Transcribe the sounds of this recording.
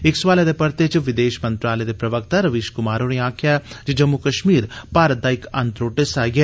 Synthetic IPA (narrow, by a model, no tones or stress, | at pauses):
ɪksʋaːled̪epɐɾt̪et͡ʃʋid̪eːʃmɐnt̪ɾaːlɐjd̪epɾɐʋɐk̚t̪ɐɾɐʋiʃkumaːɾoːniaːkʰːjad͡ʒid͡ʒɐmːukɐʃmiːɾpaːɾɐd̪aːjikɐnt̪ɾoːʈesaːɡe